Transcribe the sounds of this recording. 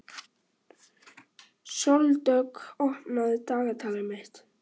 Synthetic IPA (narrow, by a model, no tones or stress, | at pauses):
sɔlt̪œkɔpnaðt̪aːɣat̪ʰalɪmɪht̪